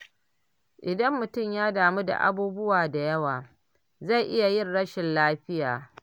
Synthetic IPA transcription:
ʔɪ˨dɐ˦mːʊ˨tʊ˦˨mjaː˦daː˨mu˦da̰˨ʔa̰˦buː˦bʊ˦waː˨da˨jɐ˦waː˨ | za˦˨jʔɪ˦ja˨jɪ˦nɽɐ˦ʃɪ˨nlaː˦ɸɪ˦jaː˨

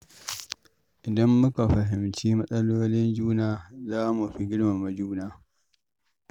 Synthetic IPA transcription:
ʔɪ˨dɐ˦mːʊ˦ka˨ɸɐ˨ɦɪ˨mt͡ʃiː˦mɐ˦sʼɐ˦loː˦lɪ˦nd͡ʒuː˦naː˨zaː˦mu˨ɸi˦ɡʲɪ˦ɽma˨ma˦d͡ʒuː˦naː˦˨

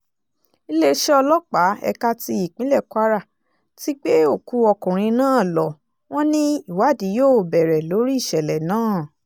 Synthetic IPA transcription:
i˦le˦ʃɛ˦ɔ˧lɔ˦k͡pa˨˦ɛ̰˧ka˧ti˧i˨k͡pĩ˨˦lɛ˦˨kwa˦ɾa˦˨ | ti˦k͡pe˦o˦˨ku˨˧˦ɔ˧kũ˨ɾ̃ĩ˧nãː˦˨lɔ˨ | w̃ɔ̃˦nĩ˦i˦˨wa˨˦˨di˨˦joː˦˨bɛ˨ɾɛ˨lo˨˦ɾi˦i˦˨ʃɛ˨lɛ˨nãː˦˨

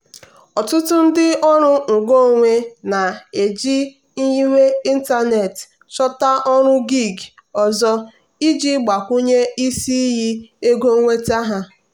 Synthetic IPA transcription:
ɔ˨tʊ˦tʊ˦n̩˦dɪ˦ɔ˦ɾʊ˦ŋ̩˨ɡo˦˨ŋʷe˦na˨e˨d͡ʒi˦ | n̩˦ji˦wʷe˦i˦n̩˦ta˦ne˨t | t͡ʃɔ˦ta˦ʔɔ˦ɾʊ˦ɡi˦˨ɡ | ɔ˨zɔ˦ | i˦d͡ʒi˦ɡ͡ba˨kʷu˦ɲe˦i˦si˦ɦi˦e˦ɡo˦ŋʷe˦ta˦ɦa˦

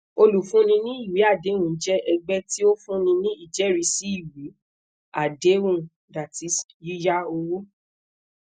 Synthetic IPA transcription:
o˧lu˨fũ˨˦nĩ˧nĩ˦i˦˨wi˨˦a˦˨de˨˦ũ˦˨˦d͡ʒɛ˦ʔɛ˧ɡ͡bɛ˦ti˦o˦fũ˦nĩ˧nĩ˦i˦˨d͡ʒɛ˨˦ɾi˧˦si˨˦i˦˨wi˨˦ | a˦˨de˨˦ũ˦˨ | da˨ti˨˦sji˦ja˦o˧wo˦

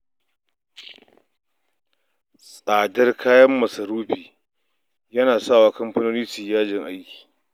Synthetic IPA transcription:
sʼaː˨dɐ˦rkʰaː˦jɐ˦mːɐ˨sɐ˨ɾuː˦ɸiː˨ | jɐ˦naː˨saː˦˨waː˨˦kɐ˦mɸɐ˦noː˦niː˦si˨jaː˦d͡ʒɪ˨ŋʔa˦jkʲi̥ː˨

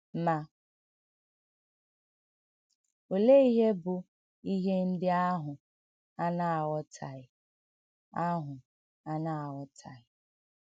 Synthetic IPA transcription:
ma˦ | o˨le˦i˦ɦe˦bʊ˨ | i˦ɦe˦n̩˦dɪ˦a˦ɦʊ˨ | a˦na˦a˨wɔ˦tʰa˨ɪ˨ | a˦ɦʊ˨ | a˦na˦˨a˨wɔ˦tʰa˨ɪ˨

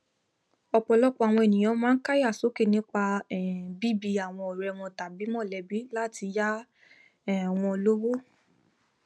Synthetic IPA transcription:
ɔ˧k͡pɔ˧lɔ˦k͡pɔ˦a˨w̃ɔ̃˧e˨nĩ˨j̃ã˨˦mãː˦n̩˦ka˦ja˦˨so˨˦ke˦˨nĩ˦k͡pa˧˨bi˦bi˧a˨w̃ɔ̃˧ɔ˨ɾɛ˧w̃ɔ̃˧ta˨bi˨˦mɔ̃˦˨lɛ˨˦bi˨˦la˦˨ti˧ja˦˨ | w̃ɔ̃˧lo˦wo˦

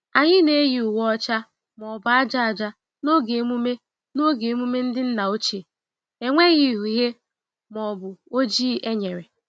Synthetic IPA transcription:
a˨ɲɪ˦ne˦ɣi˨ʊ˨wɔ˦ɔ˦t͡ʃa˦ | mɔ˨bʊ˨a˦d͡ʒa˦a˨d͡ʒa˦ | no˦ɡe˨mu˦me˦ | no˦ɡe˨˦mu˦me˦n̩˦dɪ˦n̩˦na˨o˦t͡ʃe˨ | e˨ŋʷe˦ɣi˦˨ɦu˨ɦe˦ | mɔ˨bʊ˨o˦d͡ʒiː˦ʔe˦ɲe˨ɾe˨

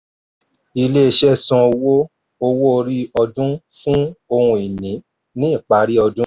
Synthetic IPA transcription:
i˧le˦e˧ʃɛ˦sɔ̃˧o˧wo˦ | o˧wo˦o˧ɾi˦ɔ˧dũ˦ | fũ˦o˧hũ˧i˨nĩ˨˦ | nĩ˦i˦˨k͡pa˨˦ɾi˦ɔ˧dũ˦

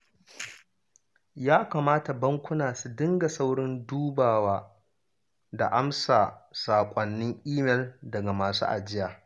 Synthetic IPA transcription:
jaː˦kaː˨maː˦ta˨bɐ˦ŋkʷʊ˦naː˨su˨dɪ˦ŋɡa˨sa˦wɽɪ˦nduː˦baː˨waː˦ | da̰˨ʔa˦msaː˨saː˨kʷʼɔ˨nːɪ˦ŋʔiː˦mɛ˨ldɐ˨ɡa˨maː˨sṵː˦ʔa̰˨d͡ʒɪ˦jaː˨

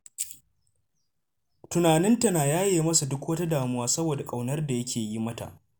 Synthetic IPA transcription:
tʊ˨naː˨nɪ˦nta˨naː˨jaː˦jeː˨mɐ˦sa˨dʊ˦kwɐ˦ta˦daː˨mʊ˦waː˦sɐ˦boː˨da˨kʼa˨wnɐ˦rda˨jɐ˦kʲeː˨ji˦mɐ˦ta̰˨ʔ

